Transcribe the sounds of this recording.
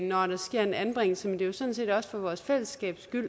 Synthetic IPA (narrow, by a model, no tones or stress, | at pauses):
nɒɾ̥ɑ̈sɡ̥e̝ɐ̰e̝dænb̥ʁeŋ̰l̩smend̥e̝josɔ̽nse̝̰ːd̥ɒ̽sə̥fɒ̽ʋɒːsfel̰əsɡ̥ɛ̰ːb̥sɡ̥yl̰